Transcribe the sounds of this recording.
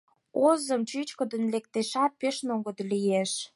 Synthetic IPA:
ozəmt͡ɕyt͡ɕkə̆d̪ə̆nlek̚t̪eʃɑt̪̚peʃnoŋɡə̆d̪lijeʃ

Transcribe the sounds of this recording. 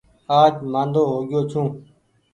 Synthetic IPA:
aːd͡ʒmãːnd̪oːɦoːɡjoːt͡ʃʰũː

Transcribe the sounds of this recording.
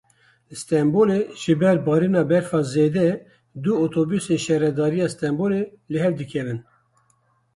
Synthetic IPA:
st̪ɛmboːleʒɨbɛɾbɑːɾinɑːbɛɾfɑːzeːd̪ɛ | d̪uot̪ʰobysenʃɛɾɛd̪ɑːɾijɑːst̪ɛmboːle | lɨɦɛvd̪ɨkʰɛvɨn

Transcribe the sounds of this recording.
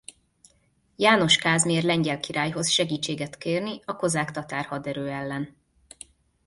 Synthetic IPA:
jaːno̞ʃkaːzmeːrlɛɲɟɛlkiɾaːjɦo̞sʃɛɡiːt͡ʃːeːɡɛt̪keːrniɒko̞zaːkt̪ɒt̪aːrhɒd̪ɛɾøːɛlːɛn

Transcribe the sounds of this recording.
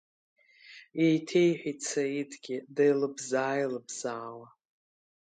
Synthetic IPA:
ejtʰe̞jħʷᶣit͡sʰaitʰʼɡʲɪdajlɨbzaːjlɨbz̥aːwa

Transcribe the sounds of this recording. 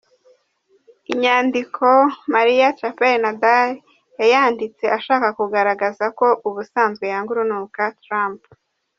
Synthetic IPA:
iɲaːndikʰo̞maɾijat͡ʃapeɾnadaɾ | jajaːndit͡se̞ʔaʃaːkakuɡaɾaɡazako̞ʔuβusaːnzɡe̞jaŋɡuɾunuːkatɾamp

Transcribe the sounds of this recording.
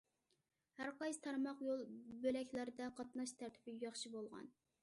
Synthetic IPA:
hæɾqɑjsɨ̥t̪ʰɑɾmɑqjolˠbølɛkʲlæɾɪd̪ɛqʰɑt̪nɑʃt̪ʰæɾt̪ʰɪ̥bɪjɑχʃibolˠʁɑ̰n

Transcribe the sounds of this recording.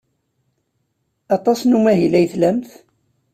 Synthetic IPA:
ɑt̪ˤɑsnumæɦilæjθlæmθ

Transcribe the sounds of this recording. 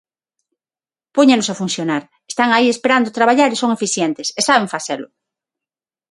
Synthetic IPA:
poɲenʊsafun̟θjonaɾ | est̪aŋaiespeɾand̪ʊt̪ɾaβaʎaɾesoŋefiθjɛnt̪ɪsesaβeɱfaθelʊ̰

